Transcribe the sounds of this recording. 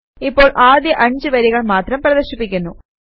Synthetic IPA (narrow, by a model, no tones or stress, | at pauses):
ipːo̞ːɭʔaːd̪jɐʔɐɲd͡ʑɨʋɐɾiɣɐɭmaːt̪rɐmprɐðɐɕipːikʲːunːu